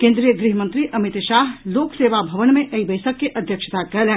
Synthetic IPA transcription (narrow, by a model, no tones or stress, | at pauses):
kẽːnd̪ɾijəɡɾiɦəmɐ̃nt̪ɾiʔɐmɪt̪ʃaːɦloːkseːʋabʱɐʋənmẽʔɐibɐɪsəkːeʔɐd̪ʱjəkʃət̪akɐlɦɛ̃ː